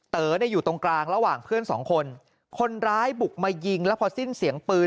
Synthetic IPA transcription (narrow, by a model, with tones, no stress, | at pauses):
t̪ɤː˨˩˦na˧jːuː˨˩t̪o˧ŋklaː˧ŋɾa˧waː˨˩ŋpʰɯ˥˩ənsɔ̰ː˩˦ŋkʰo˧n | kʰo˧nɾaː˦˥jbu˨˩k̚maː˧ji˧ŋlɛ˦˥pʰɔ˧si˥˩nsi˨˩˦əŋpɯː˧